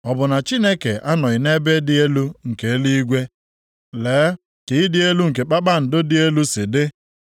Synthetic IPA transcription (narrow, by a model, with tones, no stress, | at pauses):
ɔ˨bʊ˨na˨t͡ʃi˦ne˦ke˨ʔa˦nɔ˨ɪ˨ne˦be˦dɪ˦e˦lu˦ŋ̩˨ke˨e˦li˦i˦ɡʷe˦ | leː˨˦ | ki˨˦ɪ˦dɪ˦e˦lu˦ŋ̩˨k̬e˨k͡pa˦k͡pa˦n̩˨dʊ˦dɪ˦e˦lu˦sɪ˨dɪ˦